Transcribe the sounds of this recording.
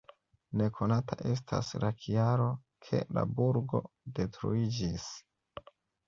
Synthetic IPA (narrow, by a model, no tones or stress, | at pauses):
ne̞kʰo̞nataʔe̞s̬tʰa̰slakʰiaɾo̞ | kʰe̞̰la̰buɾɡo̞̰ | de̞tɾuid͡ʒis